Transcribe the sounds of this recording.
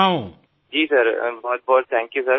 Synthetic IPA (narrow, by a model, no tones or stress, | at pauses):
ãũ | d͡ʒiːsɐɾbɔːt̪̚bɔːt̪̚t̪ʰɛ̃ːŋkjusɐɾ